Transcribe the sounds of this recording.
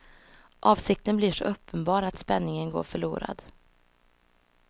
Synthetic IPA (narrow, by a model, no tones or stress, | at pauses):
ʔɑːvsɪk̚t̪ənblɪʂɔ̰ʔœpʰːənbɑːɾat̪spɛnːɪŋənɡo̰ːɾfœɭṵːɾa̰d̪